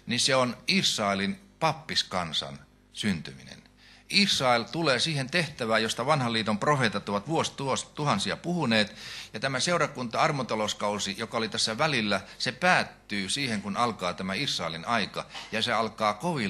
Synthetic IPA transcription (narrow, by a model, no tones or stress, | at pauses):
niseonisːɑelin | pɑpːiskɑnsɑ̰n | synt̪ymḭnḛn | isrɑelt̪uleːsiːhent̪eht̪æʋæːjost̪ɑʋɑnhɑliːt̪omprofeːt̪ɑt̪oʋɑt̪ʋuost̪uost̪uhɑnsiɑpuhuneːt̪jɑt̪æmæseurɑkunt̪ɑɑrmot̪ɑloskɑusijokɑolit̪æsːæʋælilːæsepæːt̪ːyːsiːheŋkunɑlkɑːt̪æmæisrɑˑelinɑikɑ̰jɑseɑlkɑːkoʋi